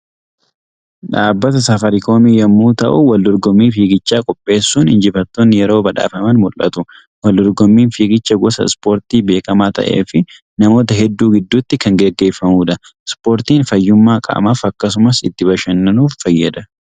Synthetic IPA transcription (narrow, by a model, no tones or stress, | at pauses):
ᶑaːbːɐt̪ɐsɐfɐɾɪko̞ːmiːjɐmːuːt̪ɐʔuwɐld̪ɔɾɡɔmːiːfiːɡɪt͡ʃːaːkʼɔpʼːe̞ːsːuːnhɪnd͡ʒɪfɐt̪ːoːnːɪjɛɾo̞ːbɐᶑa̰ːfɐmɐnmʊlʔɐ̰t̪ʊ | wɐld̪ɔɾɡɔmːiːnfiːɡɪt͡ʃːɐɡɔsɐ̰spo̞ːɾt̪iːbe̞ːkɐmaːt̪ɐ̰ʔḛːfɪ | nɐmo̞ːt̪̬ɐɦɛd̪ːuːɡɪd̪ːuːt̪ːɪkɐŋɡɛɡːe̞ːfːɐmuːᶑɐ | spo̞ːɾt̪iːnfɐjːʊmːaːkʼɐ̰ːmafɐkːɐs̬ʊmɐsɪt̪ːɪbɐʃɐnːɐnuːfːɐjːɐd̪ɐ